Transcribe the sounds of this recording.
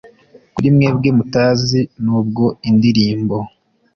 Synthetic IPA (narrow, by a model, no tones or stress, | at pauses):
kuɾimŋe̞ːb̚ɡemutaːzinuːb̚ɡo̞indiɾiːmbo̞